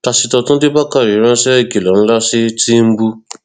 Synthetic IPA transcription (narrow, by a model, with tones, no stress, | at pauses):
ta˧si˧tɔ˧tũ˦de˦ba˦ka˦˨ɾi˨˦ɾ̃ã˦ʃɛ˦i˧˨ki˨lɔ̃˨ñ̩˦la˦si˦ti˦m̩˦bu˧